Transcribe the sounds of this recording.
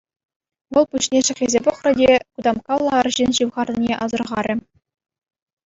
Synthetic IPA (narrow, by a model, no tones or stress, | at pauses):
ʋɤ̆lˠpuɕnʲeʂɘ̆χʲezʲepɤ̆χrɤ̆dʲekud̪ɑmkɑlˠːɑɑrʑinʲɕɯʋʁɑrʲinʲeʔɑzɤ̆rʁɑɾʲɘ̆